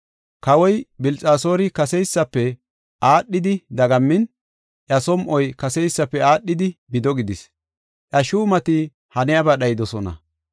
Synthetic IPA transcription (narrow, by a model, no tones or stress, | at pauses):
kɐwɔjbɪlt͡sʼaːso̞ːɾɪkɐsɛjsːɐpːɛ | ʔaːɗːɪd̪ɪd̪ɐɡɐmːɪn | ʔɐsɔmʔɔjkɐsɛjsːɐpːɛaːɗːɪd̪ɪbɪd̪ɔɡɪd̪ɪs | ʔɐʃuːmɐt̪ɪ | hɐnɛjɐbɐɗɐjɪd̪ɔsɔnɐ̰